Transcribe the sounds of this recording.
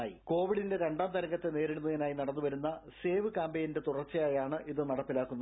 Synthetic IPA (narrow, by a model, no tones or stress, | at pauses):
aːjiko̞ːʋiɽinde̞ɾe̞ɳɖaːmt̪ɐɾɐŋɡɐt̪ːe̞ne̞ːɾiɽunːɐðɐnaːjinɐɽɐnːuʋɐɾunːɐse̞ːʋɨkaːmbejinde̞t̪urɐrt͡ɕːɐjaːjaːɳɨʔiðɨnɐɽɐpːilaːkːunːɐ